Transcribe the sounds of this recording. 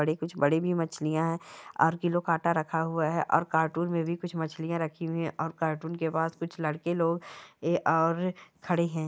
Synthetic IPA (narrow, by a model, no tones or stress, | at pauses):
əɽekʊt͡ʃʰbɐɽibʱimɐt͡ʃʰlijãɦɛ̃ːɔ̰ːɾkɪlõkaːʈaɾɐkʰaɦʊaɦɛʔɔ̰ːɾkaːɾʈuːɾmẽbʱikʊt͡ʃʰmɐt͡ʃʰlijãɾɐkʰiɛ̃ʔɔːɾkaːɾʈuːnkepaːskʊt͡ʃʰlɐɽkeloːɡʔɔːɾkʰɐɽeɦɛ̃ː